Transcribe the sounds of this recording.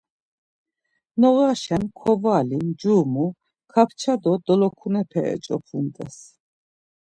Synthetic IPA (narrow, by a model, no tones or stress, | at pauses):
nɔɣaʃɛnkʰɔvaːlimd͡ʒumu | kʰapʰt͡ʃʰad̪ɔd̪ɔlɔkʰunɛpʰɛɛ̰t͡ʃʼɔpʰunt̪ʼɛs